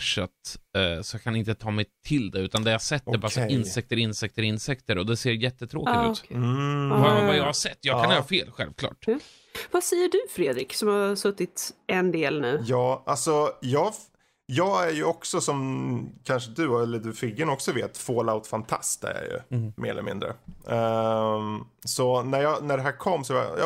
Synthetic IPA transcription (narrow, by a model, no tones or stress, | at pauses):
fʂɛt̪ːsɔjɑkʰanɪnt̪ət̪ʰɑːmɛjt̪ʰɪld̪ɛʉ̟ːt̪and̪ɛjahasɛt̪ːɛɾbɑːsɔɪnsɛk̚t̪əɾɪnsɛk̚t̪əɾɪnsɛkt̪əɾɔd̪ɛseːɾjɛt̪ːət̪ʰɾoːkɪt̪ʉ̰t̪ | vavajɑːhaʂsɛt̪ːjɑːkanjœːɾafeːlɧɛ̰lvkʰlɑ̰ːʈ | vasɛjːəɖɵfɾeːd̪ɾɪksɔmhasɵt̪ːɪt̪ɛnd̪eːlnʉ̟ːjɑːalsɔjɑː | jɑːɡæɾjɵɔksɔsɔmkʰanʂəd̪ɵɛlːəɖ̪ɵfɪɡːənɔksɔveːt̪foːlaʊt̪fant̪ʰa̰st̪æ̰ja̰jɵ̰mʔḛːɾɛllə̰mɪ̰nd̪ɾə̰ | sɔnæɾjɑnæɖɛɦæːɾkʰɔmːsɔvaj̰